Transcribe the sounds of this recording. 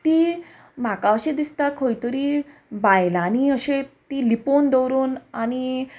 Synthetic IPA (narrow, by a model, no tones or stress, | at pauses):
t̪iː | makaəɕẽd̪ist̪akʰojt̪əɾiːbajlaːñiəɕet̪iːlipond̪əwɾuːnañi